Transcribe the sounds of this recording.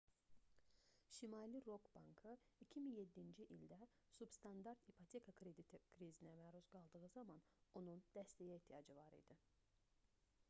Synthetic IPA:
ʃimɑliɾo̞kbɑŋkʰɯicʰiminje̞d̪ːind͡ʒiʔilʲd̪æ | subst̪ʰɑnd̪ɑɾt̪ipʰot̪ʰekʰakʰɾed̪it̪ʰkʰɾizinɛmæɾuzɡɑlˠd̪ɯɣɯzɑmɑno̞nund̪̥æst̪ɛjɛeht̪ʰijɑd͡ʒɯvɑɾḭd̪i

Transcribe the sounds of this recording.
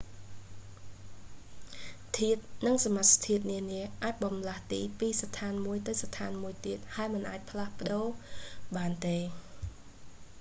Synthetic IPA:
t̪ʰiət̪̚nɨŋsamat̪̚st̪ʰiət̪̚niəniəʔaːc̚ɓɑmlaht̪iːpiːst̪ʰaːnmuəjt̪ɨwst̪ʰaːnmuəjt̪iət̪̚haɛmɨnʔaːc̚pʰlahpə̆ɗoːɓaːnt̪eː

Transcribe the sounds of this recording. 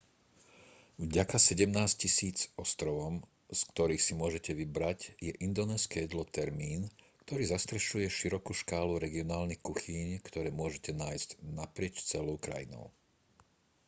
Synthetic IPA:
vɟakasɛɟɛmnaːsccisiːt͡sɔst̪ɾɔʋɔm | skt̪ɔɾiːxsimʊɔʒɛcɛʋibɾaɟjɛʔind̪ɔnɛːskɛjɛd̪lɔt̪ɛɾmiːnkt̪ɔɾiːzast̪ɾɛʃujɛʃiɾɔkuːʃkaːluɾɛɡiɔnaːlnixkuxiɲkt̪ɔɾɛːmʊɔʒɛcɛnaːjzcnapɾɪɛt͡ʃt͡sɛlɔʊkɾa̰jḭnɔ̰ʊ

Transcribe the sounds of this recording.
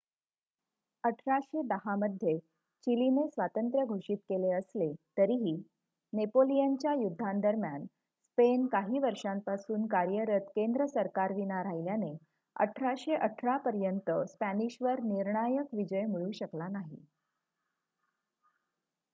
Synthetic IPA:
əʈʰɾaɕed̪əɦaməd̪ʱje | t͡ɕilinesʋat̪ənt̪ɾjəɡʱoɕiːt̪keleəslet̪əɾiɦiː | nepolijaɲt͡ɕjajud̪ʱːand̪əɾmjan | spenkaɦiːʋəɾʂampasuːnkaɾjəɾət̪kend̪ɾəsəɾkaɾʋinaɾaɦiljane | ə̰ʈʰɾaɕeʔəʈʰɾapəɾjənt̪əspæniɕʋəɾniɾɳajəkʋid͡ʑəjmiɭuːɕəklanaɦḭ

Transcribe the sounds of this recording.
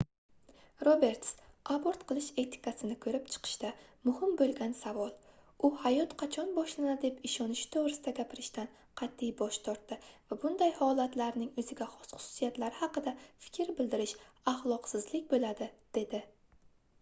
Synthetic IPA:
ɾobe̞ɾt̪saboɾt̪qʰɨlˠɪʃe̞t̪ʰɪ̥kʰasɪnɪkʰɵɾɪpt͡ʃʰɨ̥qʰɨ̥ʃt̪amʊhɪmbolˠɡʲansavɒlˠ | ʊhajɒt̪qʰɑt͡ʃʰɒnbɒʃland̪epɪʃɒnɪʃɪ̥t̪ʰovɾɪsɪd̪aɡʲapʰɪɾɪʃt̪an | qʰɑt̪ʰːijbɒʃt̪ʰɒɾt̪ːɪvabʊnd̪ajhɒlˠat̪laɾnɪŋɵzɪɡʲaχʊ̥sʊ̥sijat̪laɾɪhɑqɨd̪afɪ̥kʲʰɾbɪld̪ɪɾɪʃahlˠɒqsɪzlɪkʲbolad̪ɪd̪̥e̞d̪ɪ

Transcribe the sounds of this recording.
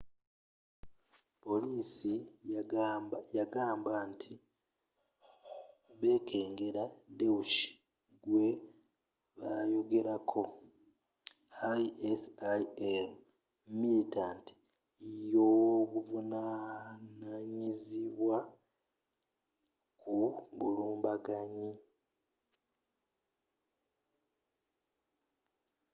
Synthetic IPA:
po̞liːsi | jaɡaːmbantʰi | βe̞ːkʰe̞ːŋɡe̞ɾadewuʃi̥ | ɡwe̞ | βajo̞ɡe̞ɾakʰo̞ | ajesaem | militaːnti̥ | joβuvunanaɲiziβwa | kʰuβuluːmbaɡaɲi

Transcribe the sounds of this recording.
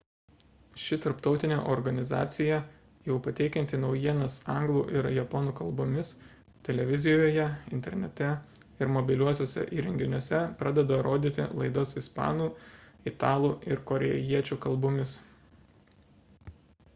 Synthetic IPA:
ʃʲɪt̪ɐɾpt̪ɒʊt̪ʲɪnʲḛːʔɔɾɡɐnʲɪzɑ̰ːt̪sʲɪjɛ | jɛʊpɐt̪ʲɛɪkʲɛnʲt̪ʲɪnɒʊjiɛnɐsɑˑŋɡlˠuːʔɪɾjɛpɔnuːkɐlˠbʊmʲɪs | t̪ʲɛlʲɛʋʲɪzʲɪjoːjɛɪnʲt̪ʲɛ̰ɾʲnʲɛ̰t̪ʲɛ | ɪɾmɔbʲɪlʲuɔsʲoːsʲɛ̰ʔiːɾʲɛŋʲɡʲɪnʲuɔsʲɛpɾɑːd̪ʲɛd̪ɐɾoːd̪ʲiːt̪ʲɪ̰lˠɐɪd̪osɪspɑ̰ːnuːɪt̪ɑːlˠuːɪɾkɔɾʲɛjiɛt͡ʃʲuːkɐlˠbʊmʲɪs

